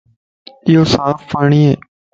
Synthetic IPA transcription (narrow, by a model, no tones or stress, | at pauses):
ɪjoːsaːfpaːɳiːeː